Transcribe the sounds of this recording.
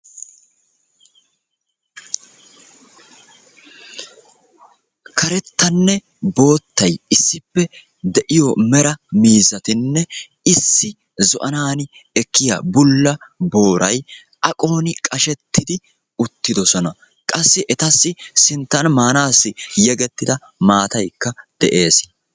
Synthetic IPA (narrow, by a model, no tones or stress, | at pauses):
kʰɐɾɛt̪ːɐnːɛ | bo̞ːt̪ːɐjɪsːɪpːɛ | d̪ɛʔɪjɔmɛɾɐmiːzɐt̪ɪnːɛ | ɪsːɪ | zʊʔɐnaːnɪ | ɛkʰːɪja̰bʊlːɐbo̞ːɾɐj | ʔɐkʼo̞ːnɪkʼɐʃɛt̪ːɪd̪ɪ | ʊt̪ːɪd̪ɔsɔnɐ | kʼɐsːɪʔɛt̪ɐsːɪsɪnt̪ːɐnmaːnaːsːɪjɛɡɛt̪ːɪd̪ɐ | maːt̪ɐjkːɐd̪̥ɛʔe̞ːs